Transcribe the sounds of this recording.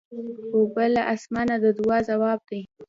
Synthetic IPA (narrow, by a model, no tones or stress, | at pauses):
xobəlːaʔasmɑnad̪əd̪ʊwɑzawɑb̚d̪e